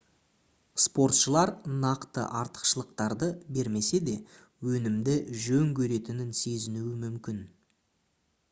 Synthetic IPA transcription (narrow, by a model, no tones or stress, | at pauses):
spo̞ɾt̪ʃəlˠɑɾnɑqt̪ə̰ʔɑɾt̪ə̥qʃəlˠəq̚t̪ɑɾd̪əbe̞ɾme̞se̞d̪e̞ | wɵnɪmd̪ɪʒɵŋkʲʰɵɾe̞t̪ɪnɪnse̞zɪnuɪmʏmkʲɪn